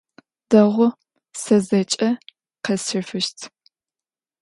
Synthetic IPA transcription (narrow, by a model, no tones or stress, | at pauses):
d̥ɐʁʷʊ | sɐzɐt͡ʃʼɐ | qɐsɨfɨʃtʰ